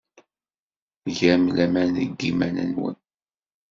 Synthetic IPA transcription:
ʝæmlæmænəɡːimænə̰nwə̰n

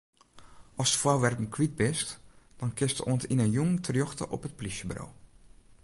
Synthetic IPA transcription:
ʔɔsə̥fawʋɛrtən̩kʰwit̚bɪstd̥ɔnkɪstəʔoəntinənjoŋtʰərjɔxtə̰ʔɔ̰pət̚pliʃjəbro̰w

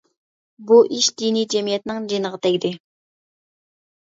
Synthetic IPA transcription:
buʔiʃd̪inijd͡ʒɛmijɛt̪ɪnɪŋd͡ʒinəʁət̪ʰɛɡʲd̪ɪ

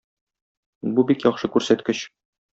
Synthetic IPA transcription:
bubikjɒχʃɤkʉɾsæt̪kɘɕ

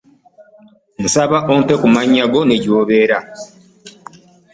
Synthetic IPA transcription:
musaβaʔonte̞kumaɲːaɡo̞neɟoβe̞ɾa

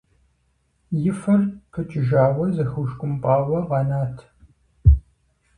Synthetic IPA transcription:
jɪfɐrpʰət͡ʃʼɪʒaːwɐzɐxuʃkʷʼʊmpʼɑːwɐʁɑnaːtʰ

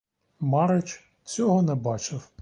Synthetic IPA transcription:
mɑɾɪt͡ʃ | t͡sʲɔɦɔnɛbɑt͡ʃɪw

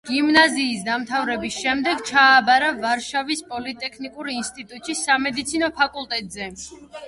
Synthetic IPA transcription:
ɡ̥imnaziːsd̪amt̪ʰavɾɛbisʃɛmd̪ɛɡt͡ʃʰaːbaɾavaɾʃavispʼɔlit̪ʼɛkʰnikʼuɾinst̪ʼit̪ʼut̪ʼʃisamɛd̪it̪sʰinɔpʰakʼulˠt̪ʼɛt̪ʼzɛ

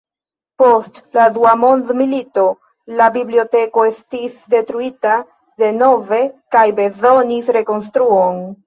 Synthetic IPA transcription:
po̞stladuamo̞nd̪milito̞ | labiblio̞te̞ko̞estisde̞tɾuita | de̞no̞ve̞kajbe̞zo̞nisɾe̞ko̞ns̬tɾuon

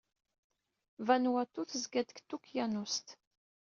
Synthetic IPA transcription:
vænwæt̪ːuθəzɡæd̪əkt̪ːukjænust̪

